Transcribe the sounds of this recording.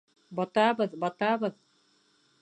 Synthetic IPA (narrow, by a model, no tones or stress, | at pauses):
bɔt̪aːbɯðbɔt̪aːbɯð